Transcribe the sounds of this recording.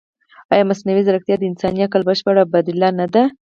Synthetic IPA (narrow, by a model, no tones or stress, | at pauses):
ɑjɑmasnawizaɾəkt̪jad̪əɪnsɑnijakalbəʃpaɽabad̪ɪlːɑnad̪a